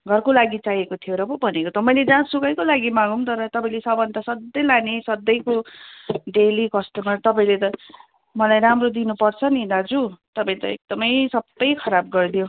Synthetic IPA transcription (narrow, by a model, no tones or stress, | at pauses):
ɡʱʌrkolaɡit͡saɦjekot̪ʰijoɾʌbobʱʌnekot̪ʌmʌjled͡zãsukʌjkolaɡimãɡumt̪ʌɾʌt̪ʌpaĩlesʌbbʱʌnd̪asʌd̪ːʌjlanesʌd̪ːʌjko | ɖelikʌsʈʌmʌrt̪ʌpaĩlet̪ʌ | mʌlajɾamrod̪inupʌrt͡sʰʌnid̪ad͡zut̪ʌpãĩt̪ʌek̚d̪ʌmʌjsʌbːʌjkʰʌɾab̚ɡʌrd̪ijo